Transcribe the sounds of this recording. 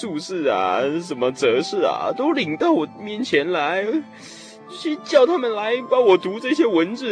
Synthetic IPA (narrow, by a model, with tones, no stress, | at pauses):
ʂu˥˧ʂɻ̩˥˩ɐ̰˨˩ʂə˨˩nmə˦t͡sɤ˧˥ʂɻ̩˥˩ɐ̰˨˩t̪o˥ʊli˧˥ŋt̪ɑ˥˩ʊwɔ˨˩mjɛ˥˩nt͡ɕʰjɛ˧˥nla˧˥ɪ | t͡ɕo˥˧t͡ɕʰy˥˧t͡ɕjɑ˥˩ʊt̪ʰa˥mə˨nla˧˥ɪpa˧˥wɔ˨˩t̪u˧˥ʈ͡ʂɤ˥˩ɕjɛ˥wə˧˥nt͡sɹ̩˥˩